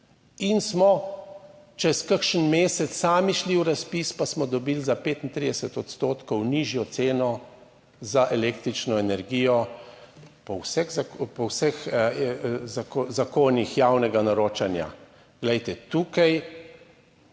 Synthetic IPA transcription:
insmɔ | t͡ʃɛskəkʃənmeːsɛt̪sːaːmiʃliwɾaspispasmɔd̪ɔbilzapeːt̪int̪ɾid̪ɛsɛt̪ɔt̪st̪oːt̪kɔwniʒjɔt̪seːnɔ | zaʔɛleːkt̪ɾit͡ʃnɔɛnɛɾɡijɔ | pɔwsɛzapɔwsɛx | zazakoːnixjaːwnɛɡanaɾoːt͡ʃanja̰ | ɡ̥lɛjt̪ɛt̪uːkaj

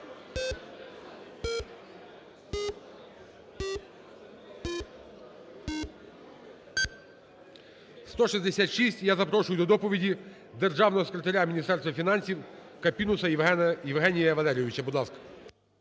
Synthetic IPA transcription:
st̪ɔʃizʲd̪esʲat̪ʃisʲtʲjazɐpɾɔʃʊjʊd̪ɔd̪ɔpɔʋʲidʲi | d̪erʒɑwnɔɦɔsekɾʲet̪ɐɾʲamʲinʲist̪ɛrst̪ʋɐfʲinɑnʲsʲiw | kɐpʲinʊsɐjjiwɦɛnʲijɐʋɐlˠɛɾʲjɔʋʲit͡ʃɐbud̪lˠɑskɐ̥

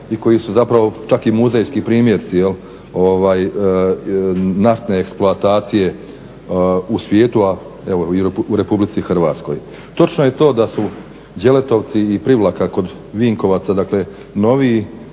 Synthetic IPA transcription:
iko̞jisuzapɾaʋo̞t͡ʃakimuzejskipɾiːmjeɾt̪sijel | o̞ʋaːj | naft̪ne̞ːksploat̪aːt̪sije̞ | usʋje̞ːt̪ua | eʋo̞iuɾe̞publit̪sixrʋaːt̪sko̞̰j | t̪o̞t͡ʃno̞je̞t̪o̞ːd̪asu | d͡ʒje̞le̞t̪o̞ʋt̪siːpɾiʋlˠakako̞d̪ | ʋiːŋko̞ʋaːt̪sad̪akle̞ | no̞ʋiː

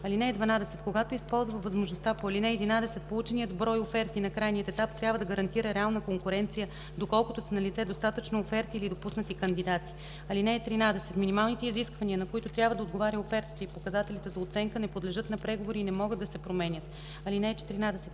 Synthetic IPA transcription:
ɐlinɛɛd̪vɐnad̪ɛsɛt̪koɡat̪oispɔlˠzvəvɐzmoʒnost̪apoɐlinɛɛd̪inad̪ɛsɛt̪̚polˠut͡ʃɛnijəd̪bɾɔjofɛɾt̪inɐkɾajnijət̪ɛt̪apt̪ɾʲabvəd̪ɐɡəɾɐnt̪iɾəɾɛalˠnəkoŋkʊɾɛnt̪sijə | d̪okɔlˠkʊt̪osɛnɐlit̪sɛd̪ost̪at̪ət͡ʃnoːfɛɾt̪iːlid̪opusnət̪ikɐnd̪id̪at̪i̥ | ɐlinɛːt̪ɾinad̪ɛsɛt̪minimalˠnit̪ɛiziskvɐniənɐkoit̪ot̪ɾʲabvəd̪ɐod̪ɡovaɾʲəofɛɾt̪i̥t̪əipokɐzat̪ɛlʲit̪ɛzɐot̪sɛŋkənɛpod̪lɛʒɤt̪nɐpɾɛɡovoɾiːnɛmɔɡɤd̪ɐsɛpɾomɛnʲət̪ | ɐlinɛt͡ʃɛ̥t̪iɾinad̪ɛsɛ̥t̪

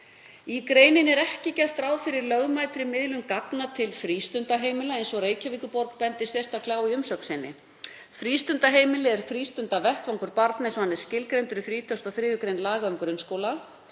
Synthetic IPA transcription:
ikɾeːjnɪnɛɾɛhcɪcɛft̪ɾaːwfɪɾɪɾlœɣmajt̪ɾɪmɪðlʏmkaknat̪ʰɪlfɾiːst̪ʏnt̪aɦeːjmɪlaejnsɔreːjcaviːkʏpɔɾkpɛnt̪ɪ̥sɛ̥st̪akʰlaːwiʏmsœksɪnːɪ̰ | fɾiːst̪ʏnt̪aɦeːjmɪlɪɛɾ̥fɾiːst̪ʏnt̪avɛht̪vaŋkʏɾpaɾt̪nɪsɔanːɪ̥scɪlkɾejnt̪ʏɾɪfɾiːt̪ʰœst̪aθɾɪːðʏkɾejnlaːɣaʏmkɾʏnskoːwla

